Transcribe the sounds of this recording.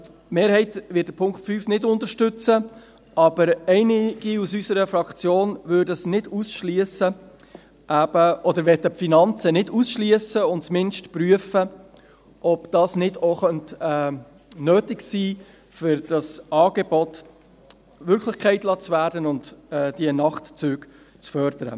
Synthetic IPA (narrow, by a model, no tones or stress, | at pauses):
meːɾhɛɪtvɪtdəpʰʊŋktfyfnɪdʊntəʃtʏt͡sə | ʔɑb̥əɾɛɪnɪɡ̥iusysəɾəfɾɑkt͡sjoːnvʏːɾdəsnɪdusʃliəsə | ʔæb̥əʔɔdəɾʋɛtəfinɑnt͡sənɪdusʃliəsəʊntt͡smɪnʃtpryəfə | ʔɔbd̥ɑsnɪdoχœntɛː | nøːtɪɡsiː | fʏɾd̥ɑsʔɑːɡ̥ɛbɔt | vʏɾkʰlɪχkʰɛɪtlɑːt͡svæːɾdənʊntɛd̥iənɑχtt͡sʉːɡ | t͡sfœɾd̥əɾə̰